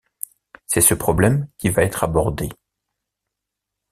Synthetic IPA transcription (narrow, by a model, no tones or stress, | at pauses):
sɛsəpχɔblɛmkʲivaɛt̪χabɔʁd̪e